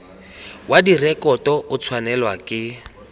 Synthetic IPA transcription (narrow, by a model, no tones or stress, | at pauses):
wadirɛkʼɔtɔʊt͡sʰwanɛlwakʼɪ